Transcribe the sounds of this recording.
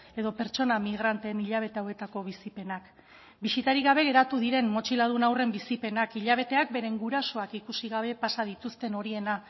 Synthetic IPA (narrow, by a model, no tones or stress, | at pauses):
e̞ðo̞pe̞ɾt͡ʃo̞namiɣ̞ɾant̪eːniʎaβ̞e̞t̪eawe̞t̪ako̞β̞isipe̞nak | bisit̪aɾiɣaβ̞e̞ɣ̞e̞ɾat̪uðiɾe̞mmo̞t͡ʃilað̞unawre̞mbisipe̞nakiʎaβ̞e̞t̪e̞ak̚be̞ɾe̞ŋɡuɾaso̞akikusiɣaβ̞e̞pasað̞it̪ust̪e̞no̞ɾie̞na